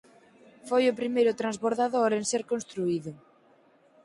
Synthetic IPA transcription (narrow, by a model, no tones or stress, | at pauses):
fojʊpɾimejɾʊt̪ɾanzβoɾðaðoɾenseɾkonst̪ɾuiðʊ